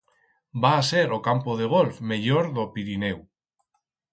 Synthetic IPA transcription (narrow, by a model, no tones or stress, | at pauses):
baseɾokampoðeɣ̞olfmeʎoɾðopiɾinew